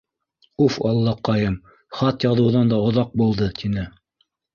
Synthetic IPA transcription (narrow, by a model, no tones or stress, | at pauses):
ufɑlˠːɑqɑjɤm | χɑt̪jɑðɤ̆wðɑnd̪ɑŏðɑq̚bulˠd̪ɤt̪inɘ